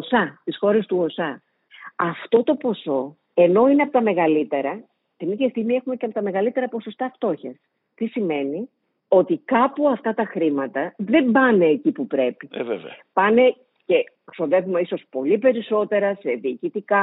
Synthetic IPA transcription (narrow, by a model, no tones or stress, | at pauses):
sɐt̪isxo̞ɾest̪uo̞sɐ | ɐft̪o̞t̪o̞po̞so̞ | e̞no̞ineɐpo̞t̪ɐme̞ɣɐlit̪e̞ɾɐ | t̪iniðʝɐst̪iɣmie̞xumeceɐpot̪ɐme̞ɣɐlit̪e̞ɾɐpo̞so̞st̪ɐft̪o̞çɐs | t̪isime̞ni | o̞t̪ikɐpuɐft̪ɐt̪ɐxɾimɐt̪ɐðe̞mbɐne̞ːcipupɾe̞pivev̰pɐne̞ | ce̞so̞ðe̞vume̞iso̞spo̞lipe̞ɾiso̞t̪e̞ɾɐse̞ðiːcit̪ikɐ